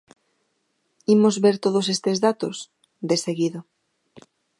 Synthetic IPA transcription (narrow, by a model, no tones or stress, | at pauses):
imozβeɾt̪oð̞os̬est̪ezðat̪os | d̪eseɣiðo